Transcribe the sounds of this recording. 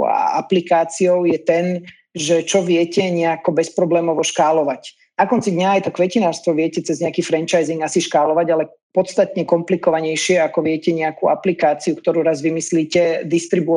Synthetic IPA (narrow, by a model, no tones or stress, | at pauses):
a̰aplikaːt͡siɔʊjɛt̪ɛn | ʒɛt͡ʃɔʋɪɛcɛɲɛakɔbɛspɾɔblɛːmɔʋɔʃkaːlɔʋac | nakɔnt͡sid̪ɲaːjt̪ɔkʋɛcinaːɾst̪ʋɔʋɪɛcɛt͡sɛzɲɛakiːfɾɛnt͡ʃajziŋɡasiʃkalɔʋaɟalɛ | pɔt̪st̪at̪ɲɛkɔmplikɔʋaɲɛjʃɪɛakɔʋɪɛcɛɲɛakuaplikaːt͡siukt̪ɔɾuːɾazʋimisliːcɛd̪ist̪ɾibu